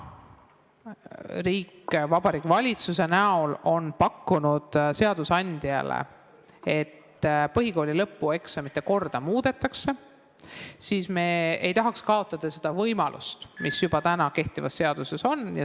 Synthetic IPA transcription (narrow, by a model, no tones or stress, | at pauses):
riːkvɑb̥ɑɾiːkvɑlʲit̪suse̞næo̞lo̞npɑkːunud̪̥se̞ɑd̪̥usɑnʲd̪̥iɑ̰lḛ | e̞t̪ː | pɤɦiko̞ːlʲilɤpːue̞ksɑmit̪ːˑeko̞rd̪̥ɑmuːd̪̥e̞t̪ːˑɑkse̞ | siːsme̞ːe̞jt̪ɑɦɑkskɑo̞t̪ˑːɑd̪̥ɑse̞d̪̥ɑvɤjmɑlʔṵst̪misjub̥ɑt̪ænɑke̞ht̪ivɑsːe̞ɑd̪̥use̞so̞njɑ